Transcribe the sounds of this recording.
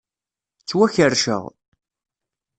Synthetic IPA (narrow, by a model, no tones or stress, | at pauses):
t͡sːwæçəɾʃə̰ʁ